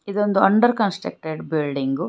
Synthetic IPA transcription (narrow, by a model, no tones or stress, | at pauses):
id̪ond̪uɐɳɖɐɾkɐnsʈɾḛk̚ʈeɖbilɖiŋɡu